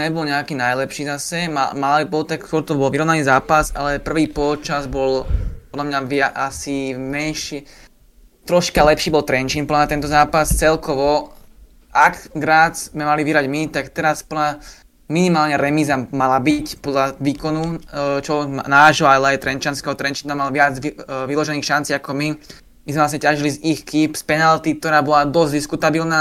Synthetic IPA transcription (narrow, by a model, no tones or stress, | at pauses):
ɲɛbɔlɲɛakiːnajlɛpʃiːzasɛmamabɔlt̪akskɔɾt̪ɔbɔlʋiɾɔʋnaniːzaːpasalɛpr̩ʋiːpɔt͡ʃazbɔlpɔd̪lamɲaʋɪaʔasimɛnʃɛ | t̪ɾɔʃkalɛpʃiːbɔlt̪ɾɛnt͡ʃinpɔd̪lamɲat̪ɛnt̪ɔzaːpast͡sɛlkɔʋɔ | akɡɾaːd͡zmɛmaliʋiɦɾaɟmit̪akt̪ɛɾaspɔla | minimaːlɲɛɾɛmizamalabicpɔd̪laʋiːkɔnut͡ʃlɔʋɛɡmnaːʒɦɔalɛajt̪ɾɛnt͡ʃanskɛɦɔt̪ɾɛnt͡ʃiːnamalʋɪad͡ziʋilɔʒɛniːxʃant͡siːakɔmi | mizmɛʋlasɲɛcaʒilizixkipspɛnalt̪ik̚t̪ɔɾaːbɔlad̪ɔzʲd̪iskut̪abilnaː